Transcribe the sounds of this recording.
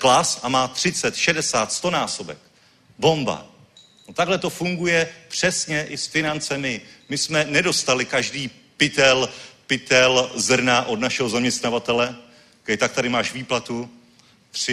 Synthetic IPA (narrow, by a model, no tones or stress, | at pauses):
klasʔamaːt̪r̝̥ɪt͡sɛt̪ʃɛdɛsaːt̪st̪o̞naːso̞bɛ̰k | bo̞mba̰ | not̪aɡɦlɛt̪o̞fuŋɡujɛpr̝̥ɛsɲɛʔɪsfɪnant͡sɛmɪmɪsmɛnɛdo̞st̪alɪkaʒdiː | pɪt̪ɛlpɪt̪ɛlzr̩naʔo̞dnaʃɛɦo̞zamɲɛst̪navat̪ɛlɛ | kɛjt̪ak̚t̪aɾɪmaːʃviːplat̪u | t̪r̝̥ɪ